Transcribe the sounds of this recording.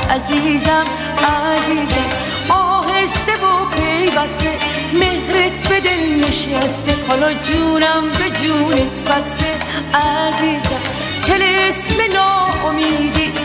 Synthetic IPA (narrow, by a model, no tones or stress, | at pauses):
ʔæziːzæm | æziːzæm | ɔɦest̪ebopʰejvæst̪e | mehɾet̪ʰbed̪elmiʃæst̪ehɔːlɒd͡ʒuːɾæmbed͡ʒuːnet̪ʰbæst̪e | æziːzæm | t̪ʰelesmenɔːomiːd̪i